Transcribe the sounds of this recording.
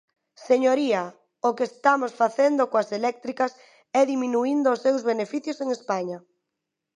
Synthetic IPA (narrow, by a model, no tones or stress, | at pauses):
seɲoɾiɐ | okeːst̪amosfaθend̪okoaselɛk̚t̪ɾikɐs | ɛðimĩnuind̪oːsːewzβenefiθjoseŋespaɲa